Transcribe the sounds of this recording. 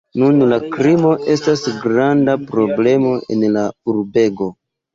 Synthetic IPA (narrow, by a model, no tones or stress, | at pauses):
nunlakɾimo̞ʔe̞stasɡɾandapɾo̞ble̞mo̞e̞̰nlauɾbe̞ɡo̞